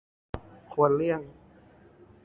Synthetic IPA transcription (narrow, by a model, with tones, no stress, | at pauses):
kʰu˧ənlɯ˥˩əŋ